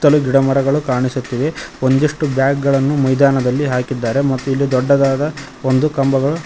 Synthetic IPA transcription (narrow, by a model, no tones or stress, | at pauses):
t̪ɐluɡiɽɐmɐɾɐɡɐɭukaːɳisut̪ːiʋe̞ond̪iʂʈubjaːk̚ɡɐɭɐnːumɐjd̪aːnɐd̪ɐlːiɦaːkid̪ːaːɾe̞mɐt̪ːuilːid̪ɔɖːɐd̪aːd̪ɐ | ond̪ukɐmbɐɡɐɭu